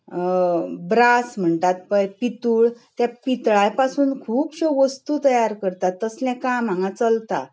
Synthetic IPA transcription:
bɾasm̤əɳt̪at̪̚pəjpit̪uːɭt̪japit̪ɭajpasuːnkʰuːpɕoʋəst̪uːt̪əjaɾkəɾt̪at̪ːəslɛ̃kãm̤ãŋɡãt͡səlt̪a̰

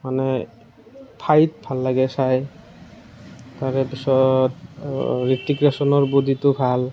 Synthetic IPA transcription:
manɛ | pʰajt̚bʱalːaɡɛsaj | taɹɛpisɔtɹitːiɡɹasɔnɔɹbudʱitʊbʱal

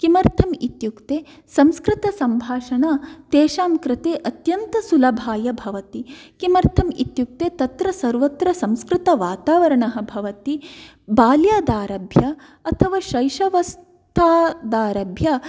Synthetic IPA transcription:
kimɐɾt̪ʰɐmit̪jukt̪eː | sɐmskɾɪt̪ɐsɐmbʱaːʃɐnaːt̪eːʃaːmkɾɪt̪eːʔɐt̪jɐnt̪ɐsulɐbʱaːjɐbʱɐʋɐt̪ikimɐɾt̪ʰɐmḭt̪juk̚t̪eːt̪ɐt̪ɾɐsɐɾʋɐt̪ɾɐsɐmskɾɪt̪ɐʋaːt̪aːʋɐɾɐɳɐɦɐ̆bʱɐʋɐt̪i | baːljaːd̪aːɾɐbʱjɐ | ɐt̪ʰɐʋaːʃɐjʃɐʋɐs | t̪ʰaːd̪aːɾɐbʱjɐ

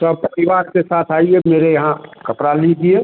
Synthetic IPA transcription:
səb̚pəɾiʋaːɾkesaːt̪ʰaːiemeːɾejɐɦãkəpɾalid͡ʒie

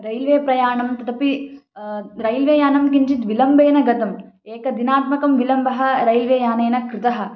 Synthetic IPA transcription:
ɾɐjlʋeːpɾɐjaːɳɐmt̪ɐt̪ɐpi | ɾɐjlʋeːjaːnɐmk̬iɲt͡ʃit̪ʋilɐmbʱeːnɐɡɐt̪ɐm | eːkɐd̪inaːt̪mɐkɐmʋilɐmbʱɐɦɐ̆ɾɐjlʋeːjaːneːnɐkɾɪt̪ɐɦɐ̆

